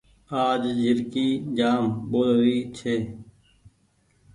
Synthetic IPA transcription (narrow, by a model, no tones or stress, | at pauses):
aːd͡ʒd͡ʒʱɪɾkiːd͡ʒaːmɓoːlʋiːt͡ʃʰeː